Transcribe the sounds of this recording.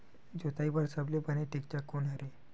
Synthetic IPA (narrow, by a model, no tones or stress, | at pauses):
d͡ʑot̪aibəɾsəblepəneʈikt͡ɕakːoɳəɾe